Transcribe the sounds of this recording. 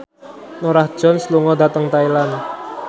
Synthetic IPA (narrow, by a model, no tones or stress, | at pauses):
noɾahd̥ʒ̥ɔ̤nsluŋɔd̪a̤t̪əŋt̪ailan